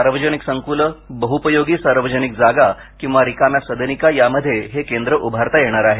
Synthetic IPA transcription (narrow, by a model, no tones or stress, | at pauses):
aɾʋəd͡ʑəniksəŋkuləbəɦupəjoɡiːsaɾʋəd͡ʑənik̚d͡zaɡa | kĩw̃ʋaɾikamjasəd̪ʱənikajaməd̪ʱːjeɦekend̪ɾəʔubʱaɾt̪ajeɽ̃aɾaɦe